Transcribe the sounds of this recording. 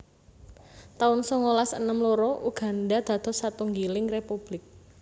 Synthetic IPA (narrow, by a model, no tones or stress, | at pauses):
t̪aʊnsɔŋolasə̰nəmloɾɔʔuɡ̥a̤ndad̪̥ä̤d̪̥ɔ̤sat̪uŋɡilɪŋrepub̥lɪk̚